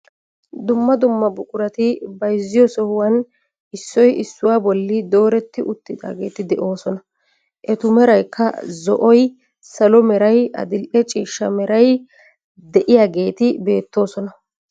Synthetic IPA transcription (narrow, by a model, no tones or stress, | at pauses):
d̪ʊmːɐd̪ʊmːɐbʊkʼʊɾɐt̪ɪbɐjzːɪjɔsɔhʊwɐn | ɪsːɔjɪsːʊwaːbɔlːɪd̪o̞ːɾɛt̪ːɪʔʊt̪ːɪd̪a̰ːɡe̞ːt̪ɪd̪ɛʔo̞ːsɔnɐ | ʔɛt̪ʊmɛɾɐjkʰːɐ̰zɔ̰ʔɔj | sɐlɔmɛɾɐjɐ̰d̪ɪlʔɛt͡ʃʼiːʃːɐmɛɾɐj | d̪ɛʔɪjaːɡe̞ːt̪ɪbe̞ːt̪ːo̞ːsɔnɐ